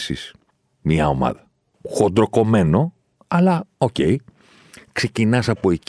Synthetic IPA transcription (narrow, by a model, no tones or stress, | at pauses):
sḭs | mɲɐo̞mɐ̰ðɐ | xo̞d̪ɾo̞ko̞me̞no̞ | ɐlɐo̞ce̞j | kse̞cinɐsɐpo̞e